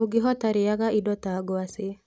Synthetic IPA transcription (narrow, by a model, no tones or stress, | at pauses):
uɡɪɦɔtaɾɪjaɣaidɔtaɡɔasɪ